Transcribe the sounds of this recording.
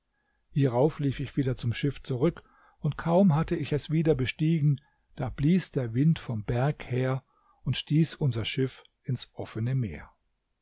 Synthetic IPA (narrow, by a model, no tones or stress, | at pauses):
hiːʁaʊfliːfɪçv̥iːdɐt͡sʊmʃɪft͡suʁ̞ʏk | ʊntkʰaʊmɦatəɪçɛsv̥iːdɐbəʃtiːɡŋ̩ | d̥aːb̥liːsd̥eːɐvɪntfɔmbɛɐkheːɐ | ʊntʃtiːsʔʊnzɐʃɪf | ɪnsʔɔfənəmeːɐ